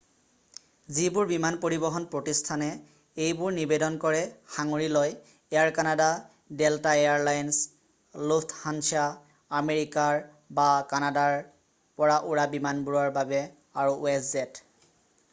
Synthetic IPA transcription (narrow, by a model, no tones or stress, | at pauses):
zibʊɹbimanpoɹibɔɦɔnpɹotistʰanɛ | ejbʊɹnibedɔnkɔɹɛxaŋoɹiloj | ɛjaɹkanada | deltaejaɹlajns | luftʰhansiaː | meɹikaɹ | bakanadaɹ | pɔɹaʔuɹabimanbuɹɔɹbabɛ | aɹuʔɛszɛt